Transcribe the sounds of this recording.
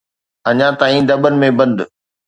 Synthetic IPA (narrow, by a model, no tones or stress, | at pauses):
ɐɲãt̪aːĩd̪ɐɓənɪ̆mẽbɐ̃nd̪ʊ